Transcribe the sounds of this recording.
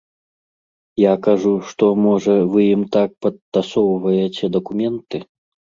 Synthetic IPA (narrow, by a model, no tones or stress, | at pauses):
jakaʐuʂt̪ɔmɔʐɐvɨjimt̪ak̚pɐt̪ːasɔwvɐjet͡sʲɛd̪ɐkumʲɛnt̪ɨ